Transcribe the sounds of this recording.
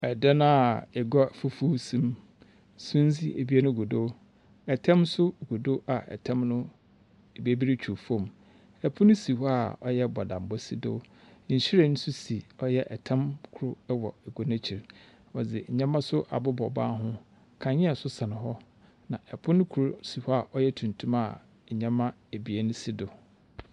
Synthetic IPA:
ɛ˨dɛ˦nã˦a˨ɛ˨ɡɔ˦fu˨fu˦sĩ˦m | sʊ̃˦n̩˦d͡zi˦e˨bi˦a˦nʊ̃˦ɡu˨do˦ | ɛ˨tʰɛ̃˦msʊ˦˨ɡu˨do˦ʔa˨ʔɛ̰˨tʰɛ̃˦mnʊ̃˦ | e˨bi˦e˦bi˦ɾi˦t͡ɕᶣʰu˨fõ˦˨m | ɛ˨pʰʊ̃˦nʊ̃˦si˨hɔ˦a˨ɔ˨jɛ˦bɔ˨dã˨m˨bɔ˦si˦dʊ̰˦˨ | ɲ̩˨ɕi˦ɾe˦˨nʊ̃˦sʊ˦si˨ɔ˦jɛ˦ʔɛ˨tʰɛ̃˦mkʰʊ˦ɾʊ˦wɔ̰˨ɛ˨ɡo˨nã˦t͡ɕʰi˨ɾ | ɔ˨d͡zɪ˨ɲ̩˨ɲɛ̃˦mã˦sʊ˦ʔa̰˨bʊ˦bɔ˨ba̰ː˦ɦʊ̃˦ | kʰã˨ɲɪ̃˦a˨sʊ˦sa˨nɪ̃˨ɦɔ˦ | nã˨ʔɛ˨pʰʊ̃˦nʊ̃˦kʰu˨ɾʊ˨si˨hɔ˦a˦˨ʔɔ˦jɛ˦tʰũ˨ntʰũ˦ma˦˨ | ɲã˦mã˦ | e˨bi˨e˦nʊ̃˦si˦dʊ˨

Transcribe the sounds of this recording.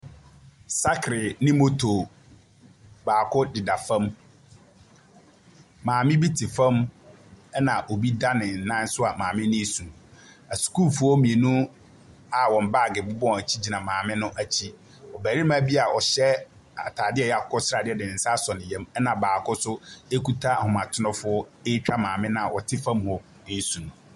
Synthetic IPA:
sa˦kʰɾɪ˨nɪ̃˦mo˦tʰo˨ | baː˨kʰʊ˦dɪ˨da˨fã˦m | mãː˨mɪ̃˦bi˦tʰi˨fã˦m | ɛ˦nã˨ʔo˨bi˦da˦nɪ̃˨nã˦n˦sʊ˦a˨mãː˨mɪ̃˦nĩ˦sũ˨ | a˨sku˦lfu˦ɔ˦mĩ˨e˨nũ˦ | a˨wɔ̃˨m̩˨baː˦˨ɡɪ˨bʊ˦bɔ̃˦˨æ˨t͡ɕʰi˦d͡ʑi˨nã˨mãː˨mɪ̃˦nʊ̃˦ʔæ˨t͡ɕʰi˦ | ɔ˨bæː˨ɾi˦mã˦bi˦a˨ʔɔ˨ɕɛ˦ | a˨tʰaː˨dɪ˦ɛ˦˨ja˨kʰɔ˦sɾa˨dɪ˦ɛ˨dɪ˨nɪ̃˨n̩˨sa˦sɔ˨nɪ̃˨jɛ̃˦mɛ˦nã˨baː˨kʊ˦sʊ˦e˦ku˦tʰa˦˨hʊ̃˨mã˨tʰʊ˦nɔ̃˦fʊ˦ɔ˦e˦t͡ɕᶣa˦mãː˨mɪ̃˦nã˦a˨wʔɔ˨tʰɪ˦fã˦mhɔ˨ | e˦sũ˨ñ˨

